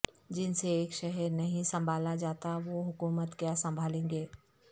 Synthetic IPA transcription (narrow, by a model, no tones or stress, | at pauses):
d͡ʒɪnseeːkʃɛɦɛɾnɐɦĩsɐ̃mbʱaːlad͡ʒaːt̪aʋoɦʊkuːmət̪kjaːsɐ̃mbʱaːlẽːŋɡeː